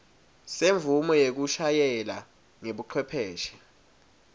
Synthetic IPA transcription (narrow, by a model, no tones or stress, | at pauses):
seɱvʱumɔjek̬uʃajɛla | ŋeɓuǃʰwɛpʰɛːʃɛ̥